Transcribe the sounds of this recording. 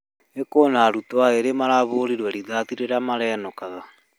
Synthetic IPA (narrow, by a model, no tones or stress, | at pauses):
ekoːnaɾutwaeɾemaɾaβoːɾiɾwɛɾiðatiɾeɾamaɾɛːnɔkaða